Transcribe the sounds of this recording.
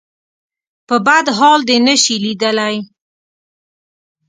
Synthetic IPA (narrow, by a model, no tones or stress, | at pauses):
pəbad̪ɦɑld̪enəʃilid̪əlaj